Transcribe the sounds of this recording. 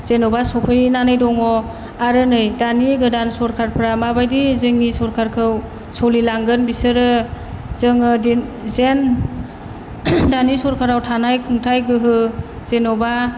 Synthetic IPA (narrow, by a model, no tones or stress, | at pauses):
z̥enɔbasɔpʰɯjnanɯjdɔŋɔ | aɾɯnɯjdaniɡɯdansɔɾkʰaɾpʰɾamabajdizɯŋːisɔɾkʰaɾkʰɯw | sɔlilaŋɡɯnbisɯɾɯ | zɯŋɯdi | zen | danisɔɾkʰaɾawtʰanajkʰuŋtʰajɡɯɦɯ | z̥enɔba